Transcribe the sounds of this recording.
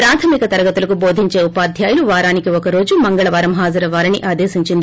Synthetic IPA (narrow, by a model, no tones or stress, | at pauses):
pɾaːt̪ʰɐmikɐt̪ɐɾɐɡɐt̪ulɐkubo̞ːd̪ʱiɲt͡ʃe̞ːupaːd̪ʱjaːjɐluʋaːɾaːnikiɔkɐɾo̞ːd͡ʒumɐŋɡɐɭɐʋaːɾɐmɦaːd͡ʒɐɾɐʋaːɾɐniʔaːd̪eːsiɲt͡ʃind̪i